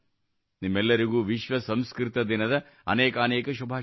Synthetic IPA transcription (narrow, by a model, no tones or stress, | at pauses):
nimːɛlːɐɾiɡuːʋiʃʋɐsɐmskɾit̪ɐd̪inɐd̪ɐ | ɐ̰nɛːkɐːnɛːkɐʃ̬ubʱaː